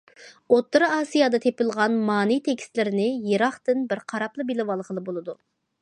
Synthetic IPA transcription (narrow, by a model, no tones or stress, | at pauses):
ot̪ːɨɾɨɑːsijɑd̪ɑt̪ʰepɪlˠʁɑnmɑːnijt̪ʰekʲst̪lɪɾɪnɪjeɾɑχt̪ɨnbɪɾqʰɑɾɑplˠɨbilɪwɑlˠʁəlˠɨbolˠɨd̪u